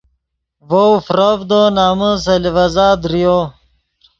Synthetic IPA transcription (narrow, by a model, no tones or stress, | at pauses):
vowfɾɐvd̪onaːməs̬ɐlivɐzaːd̪ɾijo